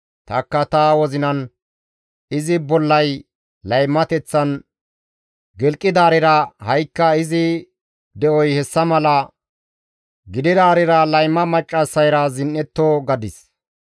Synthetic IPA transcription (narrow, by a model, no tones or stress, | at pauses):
t̪ɐkːɐt̪awɔzɪnɐn | ɪzɪbɔlːɐj | lɐjmːɐt̪ɛt͡sːɐn | ɡɛlkʼːɪd̪aːɾɪɾɐhɐjkːɐɪzɪ | d̪ɛʔɔjhɛsːɐmɐlɐ | ɡɪd̪ɪd̪aːɾɪɾɐlɐjmːɐmɐt͡ʃʼːɐsːɐjɾɐzɪnʔːɛt̪ːoːɡɐd̪ɪs